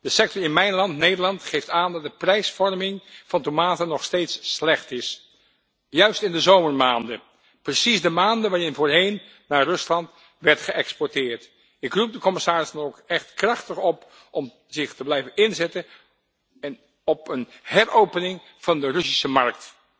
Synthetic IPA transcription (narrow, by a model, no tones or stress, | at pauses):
d̥əsɛk̚tɔɹɪnmɛjnlɑntnejdəɹlɑntχejftaːndɑt̚dəprɛjsfɔɹmɪŋv̥ɑntomaːtənːɔχstejtsːlɛχtɪs | jœɥstɪndəzowməɹmaːndə | prəsisdəmaːndəʋaːɹɪnvoːɹɦejnː | aːrɵslɑnt | ʋɛɹtχəʔɛkspɔɹtɪːɹt | ɪkrup̚dəkɔmɪsaːɹɪzdɑnokɛχtkrɑχtəχɔp | ʔɔm | zɪχtəblɛjvənɪnzɛtən | n | ɔpənhɛɹowpənɪŋ | v̥ɑndərɵsisəmɑɹk̚t